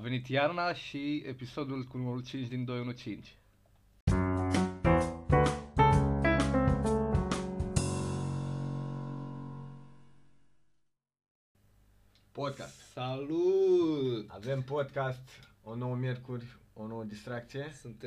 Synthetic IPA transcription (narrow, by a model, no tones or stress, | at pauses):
ve̞nit̪jarnaʃiepiso̞d̪ulkunuməɾult͡ʃint͡ʃʲd̪ind̪o̞junut͡ʃint͡ʃʲ | pod̪̚ka̰st̪salu | a̰ve̞mpo̞d̪kast̪ | o̞no̞wəmʲje̞rkurʲono̞wəd̪ist̪ɾak̚t̪sije̞sunt̪